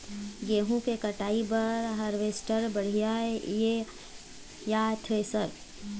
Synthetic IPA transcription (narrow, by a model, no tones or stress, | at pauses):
ɡeːɦũkekəʈaːibɐɾɦɐɾʋeːsʈəɾbəɽ̤ijaeje | jaːt̪ʰesəɾ